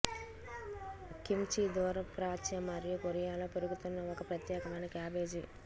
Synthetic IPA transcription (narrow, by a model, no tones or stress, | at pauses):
kimt͡ʃid̪ɔːɾɐpɾaːt͡ʃɐmɐɾjɐkoɾijaːloːpeɾuɡut̪unːɐɔkɐpɾɐt̪jɛːkɐmɐjnɐkaːbe̞ːd͡ʒi